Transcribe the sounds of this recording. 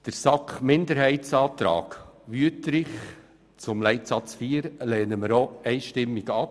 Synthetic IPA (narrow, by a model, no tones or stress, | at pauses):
d̥əɾsɑkχmɪndəɾhɛɪtt͡sɑːt̪ɾɑ̰ːɡʋyətɾɪχ | t͡sʊmlɛɪtsɑt͡sfiːɾlɛːnəməɾoɛɪʃtɪmːɪɡɑp